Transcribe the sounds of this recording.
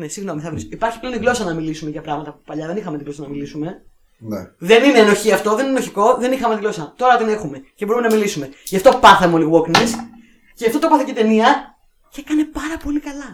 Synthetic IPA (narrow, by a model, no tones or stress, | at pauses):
nesiɣno̞miθɐvɾisoipɐɾçi̥pleont̪iɣlo̞sɐnɐmilisume̞ʝɐpɾɐɣmɐt̪ɐpupɐʎɐðe̞nixɐmet̪iɣlo̞sɐnɐmilisume̞ | ðe̞nine̞ːno̞çiɐft̪o̞ðeninenoçiko̞ðe̞nixɐmet̪ilo̞sɐt̪o̞ɾɐt̪ine̞xume̞cebo̞ɾumenɐmilisume̞ʝɐft̪o̞pɐθɐmeoliɣwoknes | ceɐft̪ot̪opɐθocet̪e̞niɐ | cekɐne̞pɐɾɐpo̞likɐlɐ